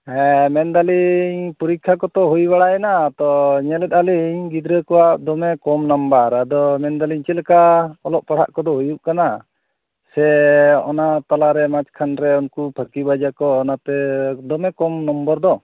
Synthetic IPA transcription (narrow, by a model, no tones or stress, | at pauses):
ɛmɛnd̪aliɲpuɾikʰːakɔt̪ɔɦujbaɽaɛnat̪ɔɲɛlɛt̪̚aliɲɡid̪ɾəkɔwad̪ɔmɛkɔmnambaɾad̪ɔmɛnd̪aliɲt͡ʃɛlɛkaɔlɔʔ̚paɽ̤ʰa̰ʔkɔd̪ɔɦojuʔkana | sɛɔ̰nat̪alaɾɛmat͡ʃkʰanɾɛɔnkupʰəkibad͡ʒakɔːnat̪ɛd̪ɔmɛkɔmnɔmbəɾd̪ɔ